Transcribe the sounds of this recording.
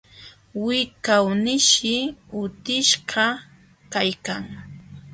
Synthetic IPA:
wɪkawnɪʃɪʊt̪ɪʃɢɑ | kajkaŋ

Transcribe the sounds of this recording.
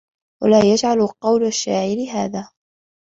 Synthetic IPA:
wa̰laːjad͡ʒʕalqɑwlaʃːaːʕɪɾɪɦaːðaː

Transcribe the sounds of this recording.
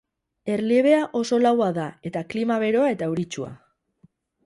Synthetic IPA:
e̞ɾlieβ̞e̞aʔo̞so̞lawaðae̞t̪aklimaβe̞ɾo̞ae̞t̪auɾit͡ʃua̰

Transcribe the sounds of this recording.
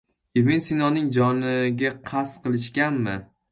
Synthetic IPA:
emɪnsinɒnɪŋd͡ʒɒnɪɡʲaqʰast̪qɨlˠɪʃkʲanmɪ

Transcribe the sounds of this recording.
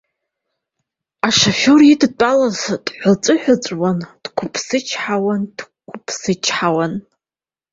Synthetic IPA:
aʂaforidt͡pʷʼalazd̥ħʷat͡sʷʼɨħʷᶣat͡sʷʼwand̥kʷʰʊpʰsɨt͡ʃʰħawand̥ | kʷʰʊpʰsɨt͡ʃʰħawan

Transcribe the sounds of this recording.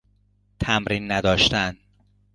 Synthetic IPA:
t̪ʰæmɾiːnːæd̪ɒːʃt̪æn

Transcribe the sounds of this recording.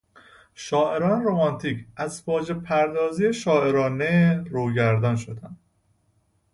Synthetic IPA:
ʃɒːʔe̞ɾɒːneɾomɒːnt̪ʰiːcʰæzfɒːd͡ʒe̞pʰæɾd̪ɒːzijeʃɒːe̞ɾɒːneɾuːɟæɾd̪ɒnʃo̞d̪ænd̪

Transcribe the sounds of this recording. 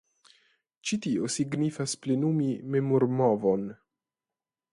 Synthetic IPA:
t͡ʃitio̞siɡnifasple̞numime̞moɾmovon

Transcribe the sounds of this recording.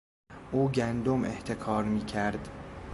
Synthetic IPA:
ʔuːɟænd̪omʔḛht̪ʰe̞kʰɒːɾmiːcʰæɾd̪

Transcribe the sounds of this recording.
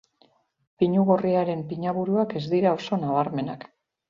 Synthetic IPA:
piɲuɣo̞riaɾe̞mpiɲaβuɾuake̞zd̪iɾao̞so̞naβ̞aɾme̞na̰k

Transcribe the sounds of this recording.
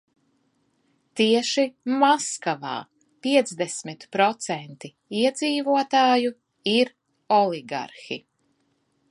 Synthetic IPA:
t̪iɛʃimaskava̰ː | pʲiɛt̪zd̪ɛsmit̪pɾɔt̪sɛnt̪i | iɛd̪ziːvuɔt̪aːju | iɾ | ɔlˠiɡa̰ɾxḭ

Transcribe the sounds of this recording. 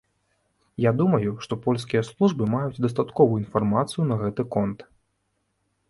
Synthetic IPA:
jad̪umɐjuʂt̪ɔpɔlʲskʲijɐslˠuʐbɨmajut͡sʲd̪ɐst̪at̪kɔvuinfarmat̪sɨjunɐɣɛt̪ɨkɔnt̪

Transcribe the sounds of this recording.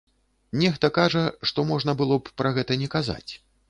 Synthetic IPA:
nʲɛxt̪ɐkaʐɐʂt̪ɔmɔʐn̪ɐbɨlˠɔppɾɐɣɛt̪ɐnʲɛkaza̰t͡sʲ

